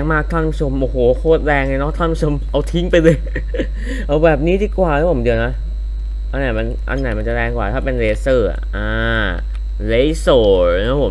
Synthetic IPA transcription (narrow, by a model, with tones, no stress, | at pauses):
ŋmaː˥˩k̚t̪ʰaː˥˩˨npʰu˥t͡ɕʰo˧mʔoː˨˩hoː˨˩˦kʰoː˧˥˩t̪̚ɾɛː˧ŋljnɔ˦˥˩t̪ʰa˥˩npu˦˥˩t͡ɕʰo˧mʔa˧wt̪ʰi˦˥ŋpa˧jlɤː˧j | ʔa˧˩wbɛː˨˩p̚niː˦˥diː˨˧˩kwaː˨˩˧pʰmdi˧na˦˥ | ʔa˧nːa˨˩ma˧nʔa̰˧nːa˨˩jma˧nt͡ɕa˨˩ɾɛː˧ŋkwaː˨˩t̪ʰaː˥˩pe˧nleː˧sɤː˧˩a̰˩ʔaː˧˩ | le˦˥jsoː˨˩˧pʰo˩˦